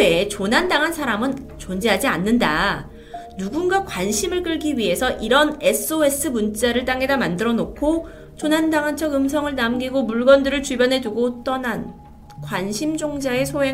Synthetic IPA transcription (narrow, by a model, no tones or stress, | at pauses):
et͡ɕonɦandaŋɦansʰaɾamɯn | t͡ɕond͡ʑeɦad͡ʑianːɯnda̰ | nuɡunɡakwanɕʰimɯɭk͈ɯɭɡiɥiɦe̞sʰʌʔiɾʌne̞s͈ʰɯoe̞sʰɯmunt͡ɕ͈aɾɯɭt͈aŋe̞damandɯɾʌnokʰo | t͡ɕonɦandaŋɦant͡ɕʰʌɡɯmsʰʌŋɯɭnamɡiɡomuɭɡʌndɯɾɯɭt͡ɕubjʌnɦe̞duɡot͈ʌnan | kwanɕʰimd͡ʑoŋd͡ʑae̞sʰoɦe